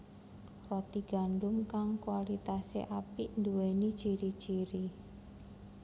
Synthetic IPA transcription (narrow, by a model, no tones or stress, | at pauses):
rɔt̪iɡ̥a̤nɖʊmkaŋkuwalit̪asḛʔapind̪uwenid̥ʒ̥iɾi̥ʒ̥iɾi